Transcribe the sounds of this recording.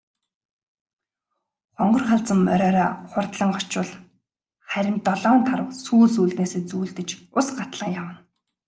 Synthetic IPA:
χɔɴɢɞ̆rχaɮt͡sə̆mːœɾʲœːɾɔːχʊrt̪ɮə̆ŋɢɔt͡ɕpʊ̆ɮ | χæɾʲɪ̆nt̪ɔɮɔːnt̪ʰaɾə̆wsuːɮsuːɮt̪neːseːt͡suːɮt̪ɘ̆t͡ɕʊsɢat̪ɮə̆ŋjawə̆n

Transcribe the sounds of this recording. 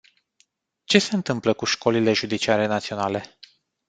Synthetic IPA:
t͡ʃe̞se̞ɨnt̪ɨmpləkuʃko̞lile̞ʒud̪it͡ʃiaɾe̞nat̪sio̞nale̞

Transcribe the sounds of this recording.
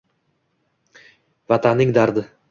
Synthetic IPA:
vat̪ʰanːɪŋd̪aɾd̪ɪ

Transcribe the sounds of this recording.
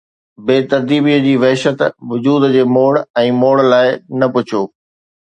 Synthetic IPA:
beːt̪ɐɾd̪iːbiːəd͡ʑiːʋɐɦʃət̪ʋʊd͡ʑuːd̪d͡ʑeːmoːɽɛ̃ːmoːɽlaːɪnɐpʊt͡ɕʰoː

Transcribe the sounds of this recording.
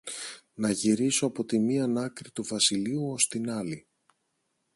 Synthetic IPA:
nɐʝiɾiso̞ɐpo̞t̪imiɐnɐkɾit̪uvɐsiliuo̞st̪inɐli

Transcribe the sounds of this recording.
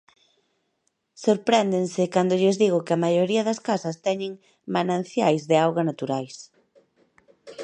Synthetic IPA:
soɾpɾɛnd̪eŋsɪkand̪ʊʎɪzðiɣʊkeɐmajoɾiɐðɐskasɐst̪ɛɲɪŋ | manãn̟θjajzðɪawɣanat̪uɾajs

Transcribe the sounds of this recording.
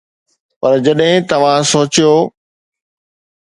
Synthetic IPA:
pɐɾd͡ʑɐɗɦɪ̃t̪ɐʋ̤ãsoːt͡ɕijoː

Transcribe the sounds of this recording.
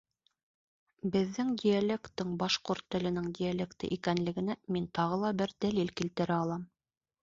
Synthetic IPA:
bɘ̆ðːɘŋd̪ʲijalʲekt̪ːɘɴbɑʃqoɾt̪ːɵ̆lɘ̆nɘŋd̪ʲijalʲekt̪ɘ̰ʔikænlɘ̆ɡɘ̆næmint̪ɑʁɤlˠɑbɘɾd̪ælilkilt̪ɘ̆ɾæɑlˠɑm

